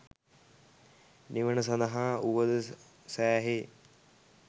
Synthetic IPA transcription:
niʋənəs̬ɐ̃nd̪əɦãːuʋəd̪ə | sɛːɦeː

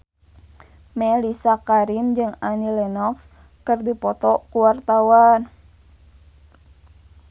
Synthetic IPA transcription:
mɛlisakaɾimd͡ʒɨŋanilɛnɔks | kɨrdipɔt̪ɔkuwart̪awan

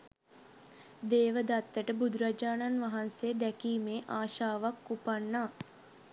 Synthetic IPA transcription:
d̪eːʋəd̪at̪ːəʈəbud̪ɾad͡ʒaːnanʋaɦansejəd̪ɛkiːmeːʔaːʃaːʋakːupanːaː

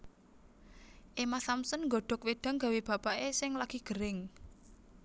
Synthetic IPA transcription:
ʔemasamsənŋɡɔɖ̪̥ɔ̤k̚weɖ̪̥a̤ŋɡa̤web̥a̤paesɪŋlaɡ̥iɡ̥ə̤ɾɪŋ

